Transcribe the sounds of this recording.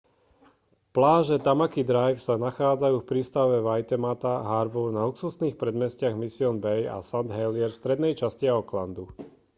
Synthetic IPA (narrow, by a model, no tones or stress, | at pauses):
plaːʒɛt̪amakid̪ɾajfsanaxaːd͡zajuːfpɾiːst̪aʊʋɛʋajt̪ɛmat̪aɦaːɾbɔɾnaluksusniːxpɾɛd̪mɛscɪaɣmisiɔnbɛja̰sand̪ɦɛlɪɛɾfst̪ɾɛd̪nɛjt͡ʃasciaɔkland̪u